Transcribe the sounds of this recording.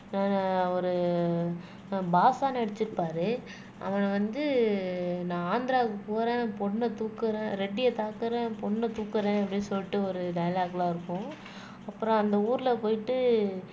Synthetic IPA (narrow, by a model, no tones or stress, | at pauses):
naːnɔɾɯ | baːsaːnɛɽɐt͡ʃːɪɾɯpːaːɾɯ | ʔɐ̰ʋɐnɐʋɐnd̪ɯ | nãːaːnd̪ɪɾaːkɯpuːɾẽːpɔɳːɐt̪uːkːɯɾẽːɾɛɖːɪjɐt̪aːkːɯɾẽːpɔɳːɐt̪uːkːɯɾẽːɛpːɐɽinsɔlːɪʈːɯɔɾɯɖɐjɐlaːɡɐlaːɪɾɯkːʊ̃ | ɐpːɯɾɔ̃ɐnd̪ɐuːɾɪlɐpoːjɪʈːɯ